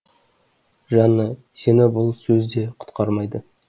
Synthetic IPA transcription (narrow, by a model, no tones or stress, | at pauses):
ʒɑnːə | se̞nɪbʊlˠsɵzd̪e̞qʰʊ̥t̪qɑɾmɑjd̪ə